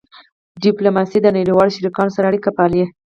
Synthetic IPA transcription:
ɖiplomɑsid̪ənaɽiwɑloʃaɾikɑnosaɾaːɽikapalje

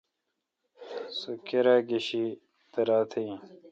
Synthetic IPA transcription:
sukeɾaːɡiɕi | t̪ɐɾaːt̪ʰĩ

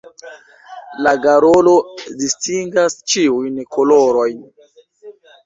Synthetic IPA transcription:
laɡaɾolo̞distiŋɡast͡ʃiujnkoloɾo̞jn

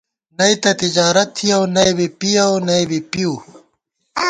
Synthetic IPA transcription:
nɐit̪ɐt̪id͡ʑaːɾɐt̪ʰːiɐwnɐjbipiɐwnɐjbipiuː

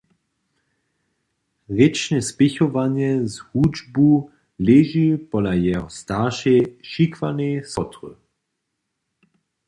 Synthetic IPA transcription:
ʁɪt͡ʃnɛspɪçɔvaɲjɛzhud͡ʒbu | lɛʒipɔlajɛɦɔstaʁʃɛʃikvanesɔt̪ʁə̰

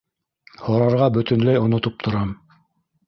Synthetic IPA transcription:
hoɾɑɾʁɑbɵ̆t̪ɘ̆nlæjŏnŏt̪ɤp̚t̪ʰŏɾɑm

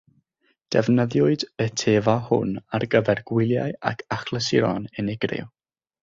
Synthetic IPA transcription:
d̥ɛvnəðjʊɨdətʰeːvahʊ̰narɡəvɛrɡ̥wɪlˠja̰ja̰kʰaχlˠəsɪɾɔ̰nɛnɪɡrɪ̰w

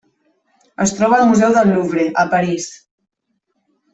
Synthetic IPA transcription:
əst̪ɾɔβaːlmuzɛwðəlːuβɾeʔəpaɾis

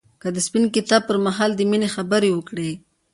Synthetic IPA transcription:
kad̪əspinkɪt̪ɑb̚pəɾmaɦɑld̪əminexabəɾewəkɽe

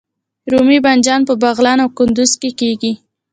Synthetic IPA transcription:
ɾumiband͡ʒɑnpəbaɣlɑnawkʊnd̪ʊzkekeɡi

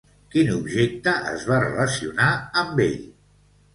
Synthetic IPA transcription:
kinubʒek̚t̪əʔə̰zβarə̰ləsiunaəmbḛʎ

